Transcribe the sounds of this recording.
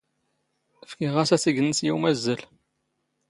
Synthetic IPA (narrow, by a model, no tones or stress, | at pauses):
əfkiʁæsæsiɡənəsjiwmæzːəl